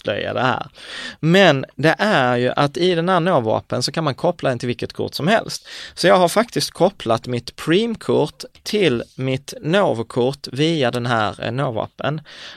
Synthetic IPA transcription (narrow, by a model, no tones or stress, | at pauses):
lœ̰ja̰d̪ɛhæ̰ːɾmɛnd̪ɛʔæɾjɵʔat̪ɪd̪ɛnhæːɳoːvɑ̰ːpənsɔkʰanmankʰɔpːlad̪ɛnɪlvɪlkət̪̚kʰʊ̰ʈsɔmhɛ̰lst̪sɔjɑːɡɦaɾfakt̪ɪst̪̚kʰɔpʰːlat̪mɪt̪pʰɾiːmkʰʊʈt̪ʰːɪlmɪt̪noːvkʰʊʈːviːad̪ɛnɦæːɾnoːvɑ̰ːpə̰n